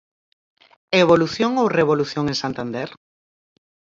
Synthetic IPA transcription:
eβoluθjoŋowreβoluθjoŋẽŋsant̪and̪ɛɾ

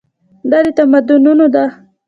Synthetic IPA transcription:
d̪ɑd̪et̪amad̪ʊnunod̪a

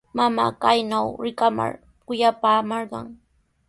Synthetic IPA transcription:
mama̰ːkajnawɾɪkama̰ɾ | kʊjapaːmɑɾɢɑ̰ŋ

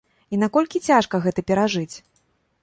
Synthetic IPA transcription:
in̪akɔlʲkʲit͡sʲaʂkɐɣɛt̪ɐpʲɛɾaʐɨt͡sʲ

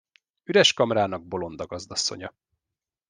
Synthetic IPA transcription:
yɾɛʃkɒmɾaːnɒɡ̚bo̞lo̞nd̪ɒɡɒzd̪ɒsːo̞̰ɲɒ

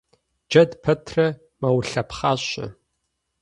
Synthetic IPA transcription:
d͡ʒɐdpʰɐtʰrɐ | mɐwɬɐpχaːɕɐ̰

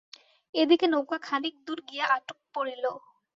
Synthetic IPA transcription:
ed̪ikenowkakʰanik̚d̪uɾɡijaʔaʈok̚poɽilo

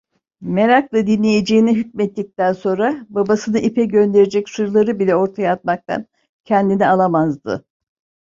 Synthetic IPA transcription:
me̞ɾaklˠad̪inlʲejed͡ʒejiniɦyc̚mɛt̪ːic̚t̪ænso̞nɾababasɯnɯʔipʰɛɟø̞nd̪e̞ɾed͡ʒɛcsuɾulˠaɾɯbilʲɛo̞ɾt̪ʰajaːt̪̚mak̚t̪ʰa̰n | cʰɛnd̪inialˠamazd̪ɯ̰

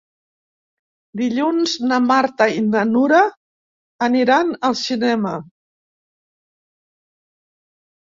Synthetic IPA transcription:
d̪iʎunznəmaɾt̪əinənuɾəː | niɾanəlˠsinɛmə

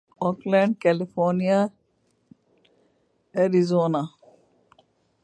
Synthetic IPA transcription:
ɔklɛ̃ɳɖ̚kɛlifʰɔːɾnija | eɾizoːna

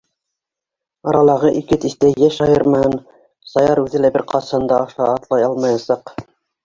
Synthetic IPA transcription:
ɑɾɑlˠɑʁɤʔikɘt̪ist̪æjæʃɑjɤɾmɑhɤn | sɑjɑɾʉðɘlæbɘɾqʰɑt̪sɑnd̪ɑɑʃɑːt̪lˠɑjɑlˠmɑjɑsɑq

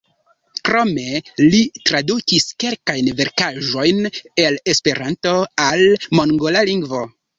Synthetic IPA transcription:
kɾo̞me̞litɾadukiske̞lkajnve̞ɾkaʒo̞jne̞le̞spe̞ɾanto̞almo̞ŋɡo̞laliŋɡvo̞

